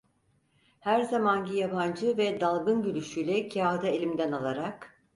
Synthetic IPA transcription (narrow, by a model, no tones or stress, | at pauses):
hæɾzamanɟijaband͡ʒɯvɛd̪alˠɡɯnɟylʲyʃyjlʲɛcʰaːd̪aelʲimd̪ænalˠaɾak